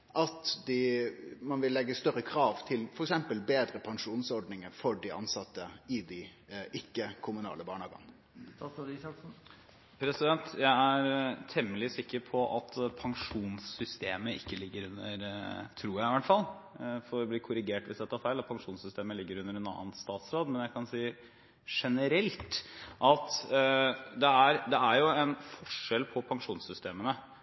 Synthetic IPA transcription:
ʔɑt̪d̪ɪmɑnʋɪlːɛɡːəst̪œɾəkʰɾɑːʋt̪ʰɪlfɔɾɛksɛmpəlbeːd̪ɾəpʰɑŋʂuːnsɔɾɖnɪŋəfɔɖɪʔɑ̰nsɑt̪ːəɪd̪ɪ | ʔɪkːəkʰʊmʉnɑ̰ːləbɑ̰ːɳɑːɡɑ̰n | ɾɪɑsn | pʰɾɛsɪd̪ɛnt̪jæɪæɾt̪ʰɛmːəlɪsɪkːəɾpʰɔʔɑt̪ʰpʰɑŋʂuːnsːʏst̪eːməʔɪ̰kːəlɪɡːəɾʉnːəɾt̪ʰɾuːjæɪɪʋæʈfɑl | fɔɾɔbliːkʰʊɾɪɡeːʈʋɪsd̪ɛt̪ːəhɑɾfæɪlɑt̪pʰɑŋʂuːnsʏst̪eːməlɪɡːəɾʉnəɾɛnɑ̰ːənst̪ɑːt̪sɾoːd̪mɛnjæɪkʰɑnsiː | ʂɛnəɾɛlt̪ʔɑt̪ | d̪ɛæɾd̪ɛæɾjʊɛnfɔʂɛlpʰɔpʰɑŋʂuːnsʏst̪eːmənə

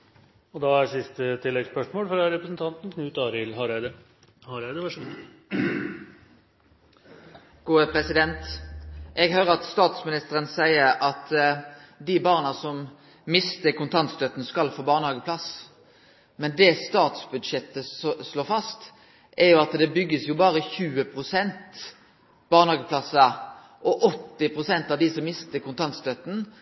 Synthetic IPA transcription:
ɔd̪ɑæsɪst̪ət̪ʰɪlːɛɡspœʂmoːlfɾɑɾɛpɾəsnt̪ʰɑnt̪n̩kʰnʉːt̪ɑːɾɪlhɑɾæɪd̪ə | hɑɾæd̪əʋæʂ | ɡ̥uːəpʰɾɛsɪd̪ɛnt̪ʔɛɡɦøːʁəɑt̪st̪ɑːt̪smɪnɪst̪əɾənsæɪəɾɑt̪ | d̪ɪbɑːʁnɑsɔm | mɪst̪əkʰʊnt̪ʰɑnt̪st̪œt̪n̩skɑlfoːbɑːʁnəhɑːɡəpʰlɑs | mɛnd̪ɛst̪ɑːt̪sbʉd̪ʂɛt̪ːəsloːfɑst̪ | ʔɛʁjʊɑt̪d̪ɛbʏɡːəsjʊbɑːʁəçʉːəpʰʁʊsɛnt̪ | b̥ɑːʁnəhɑːɡəpʰlɑsɑ | ʔɔʔɔt̪ːɪpʰʁʊsɛnt̪ɑʋd̪isɔmːɪst̪əkʊnt̪ʰɑnt̪st̪œt̪n̩

